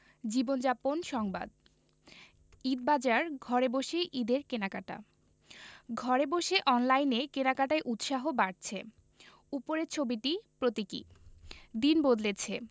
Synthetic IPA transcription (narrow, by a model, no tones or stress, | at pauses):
d͡ʑibond͡ʑaponʃɔŋba̰d̪ | id̪̚bad͡ʑaɾɡʱɔɾeboʃeʔid̪eɾkenakaʈa̰ | ɡʱɔɾeboʃeʔɔnlajnekenakaʈaeʔut̪ʃaɦobaɽt͡ɕʰe | upoɾet͡ɕʰobiʈipɾot̪ikḭ | d̪inbod̪let͡ɕʰe